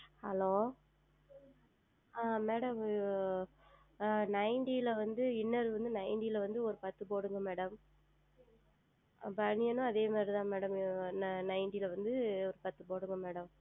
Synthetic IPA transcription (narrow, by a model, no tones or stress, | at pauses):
hɐloː | aːmeːɽɐm | nɐɪɳɖijlɐʋɐnd̪ɯɪnːɐɾɯʋɐnd̪ɯnɐɪɳɖilɐʋɐnd̪ɯɔɾɯpɐt̪ːɯpoːɽɯŋɡɐmeːɽɐm | bɐɳɪjɐnɯ̃ɐðeːmaːd̪ɾit̪ãːmeːɽɐmnnɐɪɳɖilɐʋɐnd̪ɯɔɾɯpɐt̪ːɯpoːɽɯŋɡɐmeːɽɐm